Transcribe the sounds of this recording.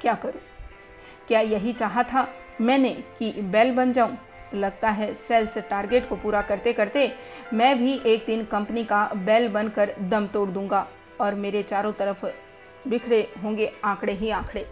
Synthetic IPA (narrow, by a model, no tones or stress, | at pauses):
kjaːkɐɾuː | kjaːjɐɦit͡ʃaːɦat̪ʰa | mɛ̃ːnekibɛːlbɐnd͡ʒaːũ | lɐɡt̪aɦɛsɛːlsʈaːɾɡeːʈkopuːɾakɐɾt̪ekɐɾt̪e | mɛ̃ːbʱiʔeːk̚d̪ɪnkɐ̃mpnikabɛːlbɐ̃nkəɾd̪ɐmt̪oːɽd̪ũːŋɡa | ɔːɾmeːɾet͡ʃaːɾõt̪ɐɾəf | bɪkʰɽeɦõːŋɡeãːkʰɽeɦiãːkʰɽeː